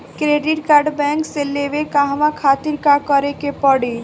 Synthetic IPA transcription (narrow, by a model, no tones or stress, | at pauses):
kɾeɖiʈkaɾɖbɛ̃ŋkseleʋekaɦmakʰat̪iɾkakəɾekepəɽi